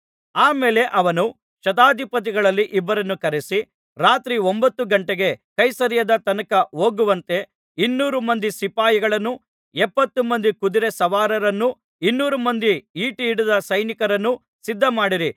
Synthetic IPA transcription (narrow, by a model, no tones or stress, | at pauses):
aːme̞ːle̞ʔɐʋɐnu | ʃɐt̪aːd̪ʱipɐt̪̬iɡɐɭɐlːiʔibːɐɾɐnːukɐɾesi | ɾaːt̪ɾiombɐt̪ːuɡɐɳʈeɡe̞kɐjsɐɾjɐd̪ɐt̪ɐnɐkɐo̞ːɡuʋɐnt̪e̞ | inːuːɾumɐnd̪isipaːjiɡɐɭɐnːu | ɛpːɐt̪ːumɐnd̪ikud̪iɾesɐʋaːɾɐɾɐnːu | inːuːɾumɐnd̪iiːʈiːɽud̪ɐsɐjnikɐɾɐnːu | sid̪ʱːɐmaːɽiɾi